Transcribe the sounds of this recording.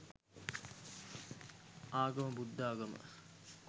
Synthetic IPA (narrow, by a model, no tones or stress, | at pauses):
aːɡɐməbud̪ːaːɡɐmə̰